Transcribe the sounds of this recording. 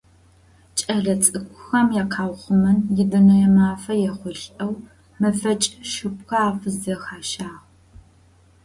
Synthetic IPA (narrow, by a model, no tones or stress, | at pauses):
t͡ʃʼɐɮɐt͡sʼɨkʷʰʼʊxɐmjaːqʰaːwχʷʊmɐnjɪdɨnɐjɛmaːfɐjɛχʷʊɬʼɐw | mɐfɐt͡ʃʼʃɨp̚xɐaːfɨzɐxaːʃaːʁ